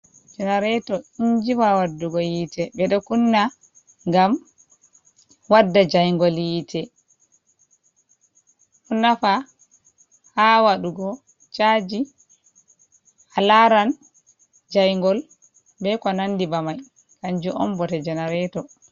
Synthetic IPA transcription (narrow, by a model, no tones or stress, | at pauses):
d͡ʒɛnaɾɛtɔiɲd͡ʒiwawadːuɡɔjitɛbɛɗɔkunːa | ŋɡam | wadːad͡ʒajŋɡɔljiːtʰɛ | kunːafa | hawaɗuɡɔ | t͡ʃad͡ʒi | ʔalaɾan | d͡ʒajŋɡɔl | bɛkɔnandibamaj | kaɲd͡ʒuʔɔmbɔtɛd͡ʒɛnaɾɛtɔ